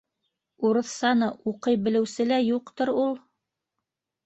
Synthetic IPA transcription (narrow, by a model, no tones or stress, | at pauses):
uɾɤ̆θsɑnɤʔuqɤjbɘ̆lɘ̆wsɘ̆læjuqt̪ɤɾulˠ